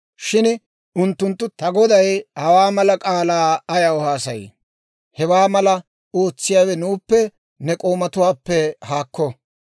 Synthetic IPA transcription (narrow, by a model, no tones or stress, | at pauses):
ʃɪn | ʊnt̪ːʊnt̪ːʊt̪ɐɡɔd̪ɐjhɐwaːmɐlɐkʼaːlaːɐjɐɔhaːsɐj | hɛwaːmɐlɐ | o̞ːt͡sːɪjaːwɛnuːpːɛ | nɛkʼo̞ːmɐt̪ʊwaːpːɛhaːkːɔ